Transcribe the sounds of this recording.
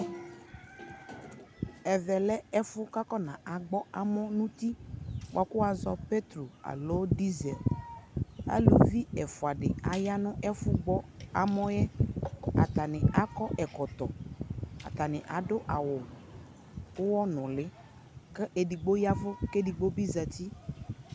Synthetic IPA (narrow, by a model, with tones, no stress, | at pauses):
ɛ˨vɛ˨lɛ˦ɛ˦fʊ˦ka˦kɔ˦nã˨ʔa˨ɡ͡bɔ˦a˦mɔ̃˦nʊ̃˦t̪i˦wʔa˨kʊ˦wa˦zɔ˦pe˦t̪ɾo˨a̰˨lo˦di˦zɛ˨l | a̰˦lo˨vi˦ɛ˨fʊ˨a˨dɪ̰˨a˨ja˦nʊ̃˦ʔɛ˦fʊ˦ɡ͡bɔ˦a̰˨mɔ̃˦jɛ˦a̰˨t̪a˨nɪ˨a˨kɔ˦ʔɛ˨kɔ˨t̪ɔ˨a̰˨t̪a˨nɪ̃˨ʔa˨dʊ˦ʔa˨wʊ˨ | ʊ˦wɔ˦nʊ̃˨lɪ˦ | kɪ˦ʔe˨di˨ɡ͡bo˦ja˦vʊ˦ke˦di˨ɡ͡bo˦bi˦za˨t̪i˦